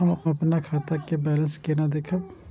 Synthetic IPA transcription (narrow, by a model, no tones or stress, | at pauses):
ɐmɐpnakʰaːt̪akebɛːlənskenad̪eːkʰəʋ